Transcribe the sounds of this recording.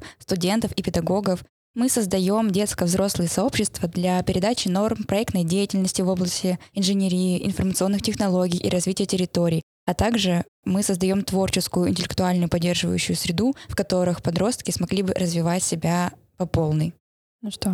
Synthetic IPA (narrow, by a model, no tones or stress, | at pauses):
st̪ʊdʲe̞nt̪əfipʲɪd̪ɐɡo̞ɡəf | mɨsəzd̪ɐjo̞mdʲe̞t̪skəvzɾo̞slˠɨjəsɐo̞pɕːɪst̪vəd̪lʲɐpʲɪɾʲɪd̪at͡ɕɪno̞rmpɾɐɛkt̪nəjdʲejɪtʲɪlʲnəsʲtʲɪvo̞blˠəsʲtʲɪɪnʐɨnʲeɾʲijɪʔɪ̰nfərmət̪sɨo̞nːɨxtʲɪxnɐlˠo̞ɡʲijʔḭɾɐzvʲitʲɪjətʲɪɾʲɪt̪o̞ɾʲɪː | ɐt̪aɡʐɨ | mɨsəzd̪ɐjo̞mt̪vo̞rt͡ɕɪskʊjʊɪ̰nʲtʲɪlʲɪk̚t̪ʊalʲnʊjʊpɐdʲːe̞rʐɨvə̰jʉ̰ɕːʊjʊsʲɾʲɪd̪ufkɐt̪o̞ɾɨxpɐd̪ɾo̞st̪̚kʲɪsmɐɡlʲibɨɾəzvʲɪvatʲsʲɪbʲa | pɐpo̞lˠnɨj | nʂt̪o